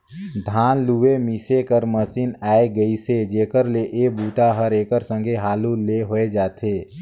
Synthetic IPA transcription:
d̪ʱaːnluemisekəɾməsiːnaːeɡəised͡ʒeːkəɾleʔeːbuːt̪aɦəɾeːkəɾsə̃ŋɡʱeɦaːluleɦoed͡ʒaːt̪ʰeː

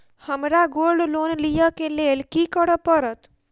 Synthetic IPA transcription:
həmɾaɡolɖlonlijəkelelkikəɽəpəɾət̪

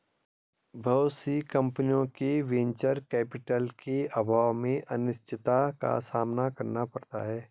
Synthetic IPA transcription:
bʱɐːt̪sikɐ̃mpnijõkeʋẽɲt͡ʃəɾkɛːpɪʈəlkeəbʱaːʋmẽʔɐnɪʃt͡ʃʰɪt̪aka̰saːmnakɐɾnapɐɾt̪a̰ɦɛː

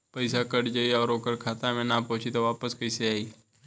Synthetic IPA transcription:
pəɪsakəɽd͡ʒaiɔːɾoːkəɽkʰaːt̪amẽnapɔ̃t͡ʃʰit̪oʋaːpəskəɪseaːiː

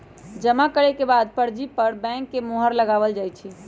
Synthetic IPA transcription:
d͡ʒəmakəɾekebad̪̚pəɾd͡ʒipəɾbɛ̃ŋkːemoɦəɾləɡabəld͡ʒajt͡ʃʰi

